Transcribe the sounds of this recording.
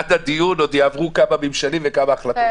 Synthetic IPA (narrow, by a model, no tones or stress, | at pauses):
d̪ad̪ijuno̞d̪jaavʁukamamimʃalimvekamaːχlat̪